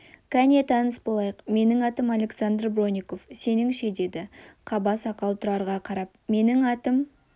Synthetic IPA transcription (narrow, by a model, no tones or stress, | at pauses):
kʲʰæne̞t̪ʰɑnəsbo̞lˠɑjəqme̞nɪŋɑt̪əmalʲe̞ksand̪rbro̞nʲiko̞fse̞nɪŋʃe̞d̪e̞d̪ɪqʰɑbɑsɑqɑlˠt̪ʰʊɾɑɾʁɑqʰɑɾɑp̚me̞nɪŋɑt̪əm